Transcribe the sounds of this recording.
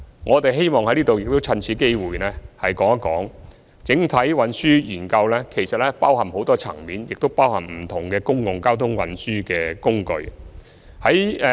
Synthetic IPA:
ŋɔː˨˧t̪e˨jɦe˥jmɔː˨ŋhɐ˧˥jliː˥t̪o˨wjɪ˨k̚t̪o˥wt͡sʰɐ˧nt͡sʰiː˨˥ke˥jwuː˨jnɛː˥hɐ˨jkɔː˨˥ŋɐ˥kɔ̰ː˨˥ŋ | t͡sɪ˨˥ŋt̪ʰɐ˨˥jwɐ˨˥nsyː˥jiː˨˩nkɐ˧wlɛː˥kʰe˨˩jsɐ˨t̚lɛː˥paː˥whɐ˨˩mho˨˥wt̪ɔː˥t͡sʰɐ̰˨˩ŋmiː˨˥njɪ˨k̚t̪o˥wpaː˥whɐ˨˩mm̩˨˩t̪ʰʊ˨˩ŋkɛː˧kʊ˥ŋjʊ˨˩ŋkaː˥wt̪ʰʊ˥ŋwɐ̰˨˧nsyː˥kɛː˧kʊ˥ŋkɵ̰˧ɥ | hɐ˨˥j

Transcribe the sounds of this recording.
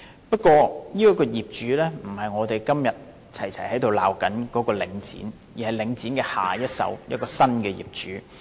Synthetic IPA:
pɐ˥t̚kʷɔː˧jiː˥kɔ˨˥kɔː˧jiː˨p̚t͡ʃyː˨˥lɛː˥m̩˨˩hɐ˨jŋɔː˨˧t̪e˨jkɐ˥mjɐ˨t̚ | t͡sʰɐ˨˩jt͡sʰɐ˨˩jhɐ˨˥jt̪o˨wla̰ː˨wkɐ˨˥nkɔː˨˧˥kɔː˧lɪ˨˧˥ŋt͡sḭː˨˥n | jiː˨˩hɐ˨jlɪ˨˧ŋt͡siː˨˥nkɛː˧ha̰ː˨jɐ˥t̚sɐ̰˨˥wjɐ̰˥t̚kɔː˧sɐ˥nkɛː˧jḭː˨˩p̚t͡ʃyː˨˥

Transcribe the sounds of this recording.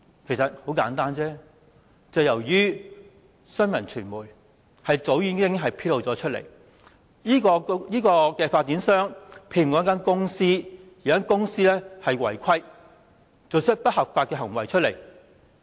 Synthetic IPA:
kʰe˨˩jsɐ˨t̚ho˨˥wkaː˨˥nt̪aː˥nt͡sɛː˥ | t͡sɐ˨wjɐ˨˩wjyː˥ | sœ˥nmɐ˨˩nt͡ʃʰyː˨˩nmuː˨˩j | hɐ˨jt͡so˨˥wjyː˨˧˥nkɪ˥ŋɦɐ˨jpʰiː˥t̚lo˨wt͡sɔː˨˥t͡ʃʰɵ˥t̚lḛ˨˩j | jiː˥kɔː˧jiː˥kɔː˧kɛː˧faː˧t̚t͡siː˨˥nsœː˥ŋpʰe˧jkɔː˨˥k̬ːaː˥nkʊ˥ŋsiː˥ji˨˩aː˥nkʊ˥ŋsiː˥lɛː˥hɐ˨jwɐ̰˨˩jkʷʰɐ˥j | t͡so˨wt͡sʰɪ˥t̚pɐ˥t̚hɐ˨˩p̚faː˧t̚kɛː˧ɦɐ˨˩ŋwɐ˨jt͡ʃʰɵ˥le˨˩j

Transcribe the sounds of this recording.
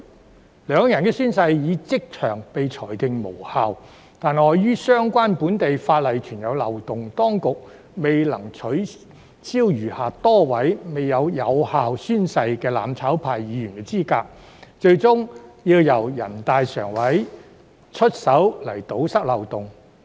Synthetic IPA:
lœː˨˧ŋjɐ˨˩nkɛː˧syː˥nsɐ˧jjiː˨˧t͡sɪ˥k̚t͡ʃʰœ̰ː˨˩ŋpe˨jt͡ʃʰɔː˨˩jt̪ɪ˨ŋmo̰˨˩whaː˨˧w | t̪aː˨nɔː˨˧jɥyː˥sœː˥ŋkʷaː˥npuː˨˥nt̪e˨jfaː˧t̚lɐ˨jt͡ʃʰyː˨˩njɐ˨˧wlɐ˨wt̪ʊ˨ŋt̪ɔː˥ŋkʊ˨k̚ | me˨jlɐ˨˩ŋt͡ʃʰɵ˨˥ | t͡siː˥wjyː˨˩haː˨˩t̪ɔː˥wɐ˨˥jme˨jːɐ˨˧wjɐ˨˧whaː˨wsyː˥nsɐ˧jkɛː˧la̰ː˨mt͡sʰaː˨˥wpʰaː˨jːiː˨˧˥ɥyː˨˩nkɛː˧t͡siː˥kaː˧k̚ | t͡ʃɵ˧ɥt͡sʊ˥ŋjiː˧wjɐ˨˩wjɐ̰˨˩nt̪aː˨jsœː˨˩ŋwɐ˨˥j | t͡ʃʰɵ˥t̚sɐ˨˥wlɐ̰˨˩jt̪o˨˥wsɐ˥k̚lɐ˨˩wt̪ʊ˨ŋ

